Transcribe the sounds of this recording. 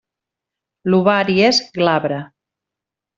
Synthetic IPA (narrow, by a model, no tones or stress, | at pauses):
luβaɾiezɡlaβɾa